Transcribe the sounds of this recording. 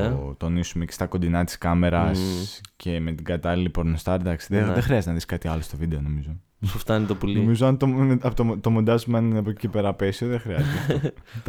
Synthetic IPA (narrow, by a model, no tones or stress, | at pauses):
ot̪o̞nisumecest̪ɐko̞nd̪inɐt̪i̥skɐme̞ɾɐscʰe̞me̞t̪iɡɐt̪ɐlilipo̞ɾnost̪ɐɾd̪ɐksiðeðexɾiɐzt̪nɐðiskɐt̪iɐlo̞st̪o̞vid̪e̞o̞no̞mizo̞ | suft̪ɐnit̪opoliomizoɐnt̪oɐt̪ot̪omod̪ɐzumeɐninɐpocipeɾɐpesioðexɾiɐzt̪iet̪